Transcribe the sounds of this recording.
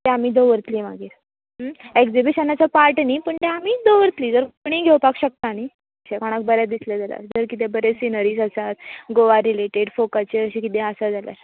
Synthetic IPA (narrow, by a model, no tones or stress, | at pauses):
t̪ɛ̃amiːd̪oʋəɾt̪liːʋaɡiːɾ | eɡd͡zibiɕənat͡sapaɾʈniːpəɳt̪ɛamiːd̪oʋəɾt̪liːd͡zəɾkoɽ̃iːɡʱewpakɕək̚t̪aniː | əɕekoɽ̃ak̚bəɾjad̪isled͡zalja̰ɾd͡zəɾkit̪ẽbəɾesinəɾiːzəsat̪ɡoʋaɾileʈeɽfokət͡ɕeəɕikit̪ẽəsad͡zʱalja̰ɾ